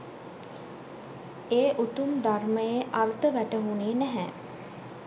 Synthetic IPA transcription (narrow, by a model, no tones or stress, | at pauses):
eːʔut̪umd̪arməjeʔart̪əʋæʈəɦuneːnæɦɛ